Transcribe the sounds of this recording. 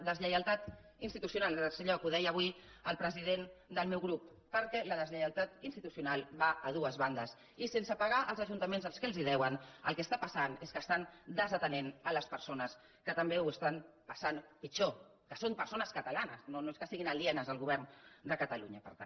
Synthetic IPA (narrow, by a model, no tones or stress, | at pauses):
ðəzʎəjəlˠt̪at̪inst̪it̪usjunalˠsəʎokuðɛjəβwi | əlˠpɾəziðend̪əlˠmewɣɾupːəɾkɛləðəzʎəjəlˠt̪at̪inst̪it̪usiunalˠβaʔəðuəzβand̪əs | isensəpaɣ̞aʔəlˠzəʒunt̪əmenzəlˠskəlziðɛwənə̰lˠkɛst̪apəsaneskəst̪and̪əzət̪ənenələspəɾsonəs | kət̪əmbewəst̪anpəsanpit͡ʃo | kəsompəɾsonəskət̪alanəsnonoeskəsiɣinaliɛnəzəlˠɣuβ̞ɛɾnd̪əkət̪aluɲəpəɾt̪an